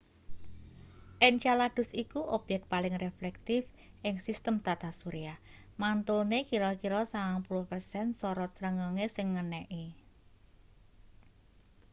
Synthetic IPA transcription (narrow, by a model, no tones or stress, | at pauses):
ʔɛnt͡ʃalad̪̥ʊ̤sikuʔob̥jɛk̚t̪̚palɪŋreflɛk̚t̪ɪf | ʔɪŋsist̪əmt̪at̪asuɾiah | mant̪ulnekiɾɔkiɾɔsaŋaŋpulʊhpərsɛnsɔɾɔt̪sɾəŋəŋesɪŋːənɛʔi